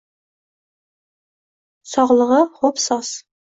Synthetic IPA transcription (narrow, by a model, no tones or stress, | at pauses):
sɒʁlˠəʁɑχopsɑs